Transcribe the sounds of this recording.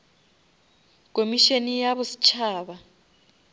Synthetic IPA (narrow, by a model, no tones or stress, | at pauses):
kʼomiʃenijaβʊsi̥t͡ʃʰaːβa